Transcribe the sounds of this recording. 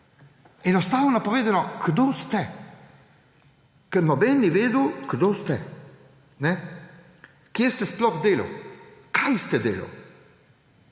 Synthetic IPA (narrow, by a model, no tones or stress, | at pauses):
ɛnɔst̪aːwnɔnapɔʋeːd̪anɔɡ̥d̪oːst̪ɛ | kɛɾnɔbɛːnːiʋeːd̪əwɡ̥d̪oːst̪ɛ | nɛ | kjest̪ɛsplɔxd̪eːlɐ̰wkʰajst̪ɛd̪eːlɐ̰w